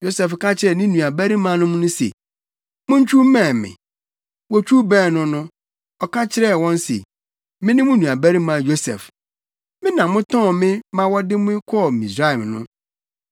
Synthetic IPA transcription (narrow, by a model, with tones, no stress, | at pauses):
jo˦sɛ˨fka˦t͡ɕʰɪ˨ɾɛ˨nɪ̃˦nũ˨a˨bæ˦ɾi˦mã˨˦nʊ̃˦mʊ̃˦nʊ̃˦sḛ˨ | mʊ̃˦ɲ̩˦t͡ɕʰᶣu˦mɛ̃ː˦˨mɪ̰̃˨ | wɔ˦t͡ɕʰᶣu˦bæ̃ː˦˨nʊ̃˦nʊ̃˦ | ɔ˨kʰa˦t͡ɕʰɪ˦ɾɛ˦wɔ̃˦nsḛ˨ | mɪ̃˦nɪ̃˦mʊ̃˦nũ˨a˨bæ˦ɾi˦mã˨jo˦sɛ̰˨f | mɪ̃˦nã˨mʊ̃˦tʰɔ̃˦˨mɪ̃˦mã˦wɔ˦dɪ˦mʊ̃˦kʰɔ˦˨mĩ˨sɾa˦ɛ˨mnʊ̃˦